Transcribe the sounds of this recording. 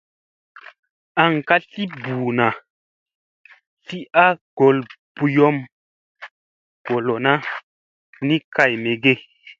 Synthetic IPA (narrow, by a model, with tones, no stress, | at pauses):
a˨ŋka˦ɬi˦buː˨na˨ | ɬi˦ʔa˦ɡ̥o˨l | b̥u˨jɔ˦m | ɡ̥o˨lo˨na˦ | nĩ˦ka˨jme˨ɡe˦